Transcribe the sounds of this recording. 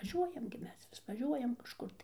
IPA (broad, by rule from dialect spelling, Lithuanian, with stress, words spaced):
ʋɐˈʒʲuɔjɛm ɡʲɪ ˈmʲɛs ʋʲɪs ʋɐˈʒʲuɔjɛm kɐʃˈkʊr tɐɪ